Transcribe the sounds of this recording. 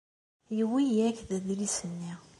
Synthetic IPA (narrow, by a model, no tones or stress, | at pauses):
jəwijækðæðilisənːi